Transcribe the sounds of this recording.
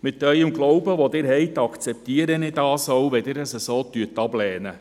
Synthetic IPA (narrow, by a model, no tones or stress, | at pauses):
mɪt̪œjəmɡlɔwbəʋod̪ɪːɾɦɛɪt̪ɑkt͡sɛp̚t̪iəɾənɪdɑːsowʋɛdɪɾəsəsoːt̪yətːɑblɛːnə